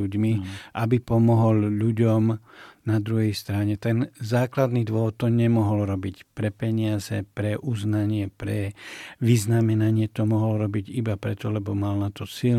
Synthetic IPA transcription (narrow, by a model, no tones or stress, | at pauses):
uɟmiʔabipɔmɔɦɔlʎuɟɔmnad̪ɾuɦɛjst̪ɾaɲɛt̪ɛnzaːklad̪nid̪ʋɔt̪ɔɲɛmɔɦɔlɾɔbicpɾɛpɛɲɪazɛpɾɛʔuznaɲɪɛpɾɛʋiznamɛnaɲɪɛt̪ɔmɔɦɔlɾɔbiɟibapɾɛt̪ɔlɛbɔmalnat̪ɔsil